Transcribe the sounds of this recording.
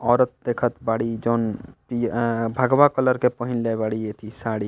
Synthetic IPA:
ɔːɾət̪̚d̪eːkʰət̪baːɽid͡ʒoːnpibʱəɡʋakələɾkepɔɦɪnlebaːɽijet̪ʰisaːɽi

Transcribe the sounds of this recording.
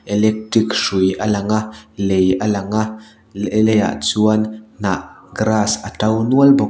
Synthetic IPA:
ʔɛlɛk̚ʈrikʂujʔəlɐŋaʔlejʔəlɐŋaʔ | lɛja̰ʔt͡suənn̥aʔɡɾasʔətɐwnuəlbɔ

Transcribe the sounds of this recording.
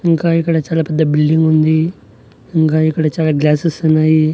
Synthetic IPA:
iŋkaikəɽet͡ɕalapəd̪ʱːabilɖiŋɡund̪i | iŋkaikəɽet͡ʃalaɡlasəsənai

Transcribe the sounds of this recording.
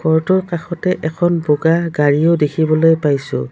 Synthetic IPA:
ɡɔɹtɔɹkaxɔtɛʔɛkʰɔnboɡaɡaɹiodekʰibɔlojpajsʊ̰̃

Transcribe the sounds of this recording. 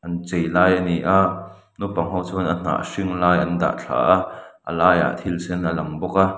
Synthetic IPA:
ʔɐnt͡sɛjlaːjaniʔa | nupɐŋɦowt͡sʊnʔən̥a̰ːʔʂiŋlaːjʔɐnda̰ʔt͡ɬʰa̰ːʔaʔə̰laːja̰t̪ʰilsɛnʔəlɐŋbɔk̚a

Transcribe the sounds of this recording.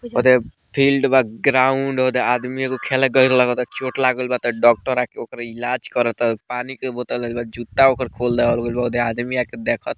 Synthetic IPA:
ɦod̪e | pʰilɖbaɡɾauɳɖɦod̪ead̪miakokʰeleɡəiɾlaɡɔt̪ɔt͡ʃoʈlaɡəlbat̪ɔɖɔk̚ʈəɾakeokəɾilad͡ʒkəɾət̪panikebot̪ələlbad͡ʒut̪ːaokəɾkʰold̪ɛɦolɡəlbaod̪ead̪miaked̪ekʰət̪̚

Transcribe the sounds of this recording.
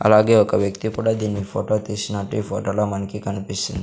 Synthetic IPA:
ɐ̰laːɡe̞ːɔkɐʋjɐkt̪ikuːɽaːd̪iːnːipʰoːʈoːt̪iːsinɐʈːipʰoːʈoːloːmɐnɐkikɐnipist̪und̪i

